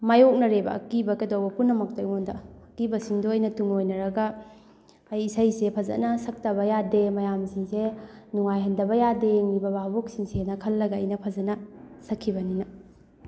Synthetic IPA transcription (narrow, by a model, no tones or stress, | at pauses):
majok̚nɐɾebɐ̰ɐ̰kibɐkɐdowbɐpunːɐmɐk̚tojŋondɐɐkibɐsiŋdoːjnɐtuŋojnɐɾɐɡɐː | jisɐjsepʰɐzɐ̰nɐsɐk̚tɐβɐjademɐjamsiŋsenuŋajɦɐndɐbɐjadeŋibɐbabok̚siŋsenɐkʰɐlːɐɡɐːjnɐpʰɐzɐnɐsɐkʰːibɐninɐ